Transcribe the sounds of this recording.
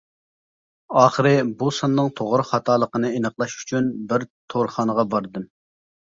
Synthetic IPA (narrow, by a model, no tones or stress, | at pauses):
ɑːχəɾɨbusɑnːɨŋt̪ʰoʁɾχɑt̪ʰɑːlˠəqənɨenəχlˠɑʃy̥t͡ʃʰynbɪɾt̪ʰoɾχɑnəʁɑbɑɾd̪ɨm